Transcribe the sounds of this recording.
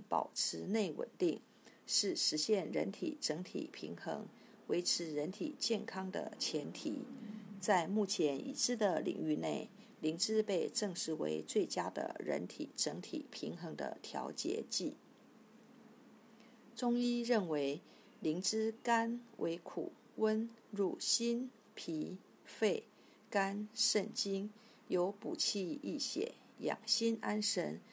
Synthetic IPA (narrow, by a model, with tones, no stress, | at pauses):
pɑ̰˨˩ʊʈ͡ʂʰɻ̩˧˥ne˥˩ɪwə̰˨˩nt̪i˥˩ŋ | ʂɻ̩˥˩ʂɻ̩˧˥ɕjɛ˥˩nɻə̰˧˥nt̪ʰḭ˨˩ʈ͡ʂɤ˧˥ŋt̪ʰḭ˨˩pʰḭ˧˥ŋxɤ̰˧˥ŋ | we˧˥ɪʈ͡ʂʰɻ̩˧˥ɻə˧˥nt̪ʰḭ˨˩t͡ɕjɛ˥˩nkʰɑ˥ŋd̪ə̰˧t͡ɕʰjɛ˧˥nt̪ʰḭ˨˩t͡sa˥˧ɪmu˥˩t͡ɕʰjɛ˧˥nʔḭ˨˩ʂɻ̩˥˩d̪ə˨˩lḭ˨˩ŋy˥˧ne˥˩ɪ | li˧˥ŋʈ͡ʂɻ̩˥pe˥˧ɪʈ͡ʂɤ˥˧ŋʂɻ̩˧˥˩wḛ˧˥ɪt͡swe˥˩ɪt͡ɕja˥d̪ə̰˨ɻə̰˧˥nt̪ʰḭ˨˩ʈ͡ʂɤ˧˥ŋt̪ʰḭ˨˩pʰi˧˥ŋxɤ˧˥ŋd̪ə̰˧t̪ʰjɑ˧˥ʊt͡ɕjɛ̰˧˥t͡ɕi˥˩ | ʈ͡ʂʊ˥ŋi˥ɻə˥˩nwe˧˥ɪ | li˧˥ŋʈ͡ʂɻ̩˥ka˥nwʔe˧˥ɪkʰṵ˨˩˦ | wə˥nɻu˥˩ɕi˥n | pʰi˧˥ | fe˥˩ɪ | ka˥nʂə˥˩nt͡ɕi˥ŋ | jo˧˥ʊpu˨˩t͡ɕʰi˥˧i˥˩ɕjɛ̰˨˩˦ | jɑ̰˨˩ŋɕi˥na˥nʂə̰˧˥n